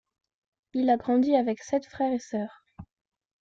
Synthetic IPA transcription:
ilaɡʁɑ̃d̪iavɛksɛt̪fχɛʁesœːʁ

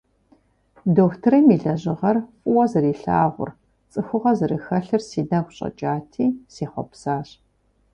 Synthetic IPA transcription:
doːktʰɨrɐmiːɮɐʑɪʁɐrfʼʊwɐzɨriːɬa̰ːʁʷʊ̰r | t͡sʼɨxʷʊʁɐzɨrɨxɐɬɨrsiːdɐɡʷɕʼɐ̰t͡ʃʼaːtʰiːseːχʷɔ̰psaːɕʼ

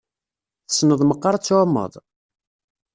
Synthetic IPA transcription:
θə̥snəðˤməqːɑɾˤt͡sːoʕmːə̰ðˤ

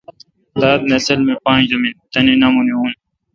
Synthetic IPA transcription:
d̪aːd̪̚nɐsɐlmepãːnd͡ʑɐmint̪ɐninɐmuniuːn

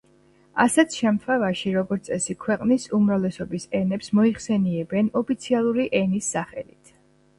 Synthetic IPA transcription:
asɛt̪ʰʃɛmt̪ʰavaʃiɾɔɡɔɾt̪sʼɛsikʰwɛqʼnisumɾavlɛsɔbisɛnɛpsmɔiχsɛniɛbɛnɔpʰit̪sʰialˠuɾiʔɛnisːaχɛlit̪ʰ

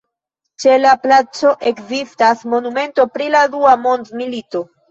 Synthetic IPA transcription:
t͡ʃe̞laplat͡so̞ʔe̞kzistasmo̞nume̞nto̞pɾiladuamo̞ndmilito̞

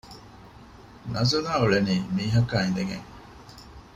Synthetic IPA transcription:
nɐzunaːuɭeniːmiːɦɐkaːind̪eŋɡḛŋ

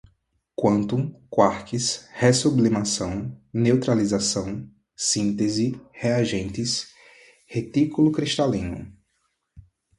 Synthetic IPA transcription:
kwɐ̃nt̪ũkwaɾkishesublimasɐ̃w̃newt̪ɾalizasɐ̃w̃ | sĩnt̪ezɪheaʒẽnt̪ɪs | het̪ikulʊkɾiʃt̪alĩnʊ̰

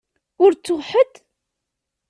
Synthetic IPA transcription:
ʊɾt͡sːʊʁħəd̪

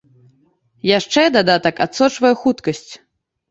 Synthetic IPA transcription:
jaʂt͡ʂɛd̪ad̪at̪ɐkat̪sɔt͡ʂvɐjɛxut̪kɐsʲt͡sʲ

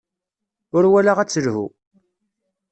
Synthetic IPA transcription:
ʊɾwælaʁæt͡sːəlhṵ

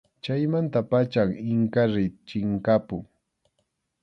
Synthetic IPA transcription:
t͡ʃajmant̪apat͡ʃaŋɪŋkaɾɪt͡ʃɪŋkapʊŋ

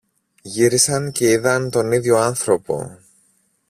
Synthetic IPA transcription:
ʝiɾisɐnce̞iðɐnt̪o̞niðʝo̞ɐnθɾo̞po̞̰

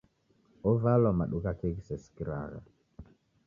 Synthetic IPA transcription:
ɔvalɔmaɗukakeɡisɛskiɾa̰ɣa̰

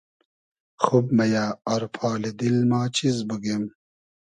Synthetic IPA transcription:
xub̚mɐjaːɐɾpʰaːlid̪ilmaːt͡ɕʰizbuɡem

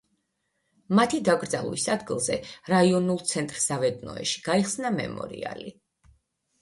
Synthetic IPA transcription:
mat̪ʰid̪aɡɾd̪zalˠvḭsad̪ɡilˠzɛɾaiɔnulˠt̪sʰɛnt̪ʼɾsavɛd̪nɔ̰ɛ̰ʃi̥ɡ̥aiχsnamɛ̰mɔ̰ɾḭa̰li

